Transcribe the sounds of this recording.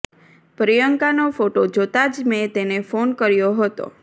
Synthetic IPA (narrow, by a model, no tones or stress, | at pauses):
pɾijəŋkanofoʈod͡ʒot̪ad͡ʒmet̪enefonkəɾjoɦət̪o̰